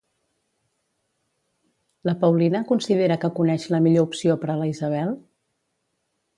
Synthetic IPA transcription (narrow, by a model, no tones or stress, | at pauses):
ləpəwlinəkunsið̞eɾəkəkunɛʃləmiʎoupsiopəɾələizəβ̞ɛlˠ